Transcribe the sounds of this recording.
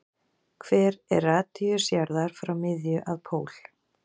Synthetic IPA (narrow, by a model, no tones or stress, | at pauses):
kʰvɛːɾɛ̰raːt̪iʏsjaɾðaɾ̥fɾawmɪðjʏʔaðpʰoːwl̥